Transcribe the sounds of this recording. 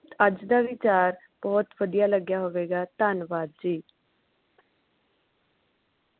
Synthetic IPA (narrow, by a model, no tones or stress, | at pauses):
t̪əd͡ʒd̪aːʋɪt͡ʃaːɾ | b̥ɔːt̪ʋəd̪ijaːləɡjaːɦoːʋeːɡaːt̪aːnʋaːd̪̚d͡ʒiː